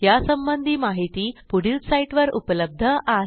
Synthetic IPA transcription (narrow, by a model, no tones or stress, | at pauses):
jasəmbənd̪ʱiːmaɦit̪iːpuɽilsaiʈʋəɾupələb̚d̪ʱəʔa